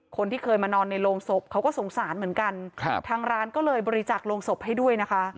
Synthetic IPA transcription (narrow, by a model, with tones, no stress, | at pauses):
kʰo˧nt̪ʰiː˥˩kʰɤː˧jmaː˧nɔː˧nːa˧jloː˧mso˨˩p̚kʰa˦˥wkɔː˥˩so˩˦ŋsaː˨˩˦nmɯ˩˦ənka˧nʰ˧t̪ʰaː˧ŋɾaː˦˥nkɔː˥˩lɤː˧jbɔː˧ɾi˧t͡ɕaː˨˩k̚loː˧mso˨˩p̚ha˥˩jdu˥˩əjna˦˥kʰa˦˥ʔ